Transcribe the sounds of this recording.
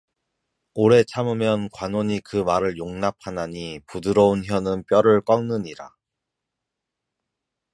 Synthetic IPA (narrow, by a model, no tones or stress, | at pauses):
oɾe̞t͡ɕʰamɯmjʌnkwanoɲikɯmaɾɯɭjoŋnap̚ʰanaɲipudɯɾʌunçjʌnɯnp͈jʌɾɯɭk͈ʌŋnɯɲiɾa̰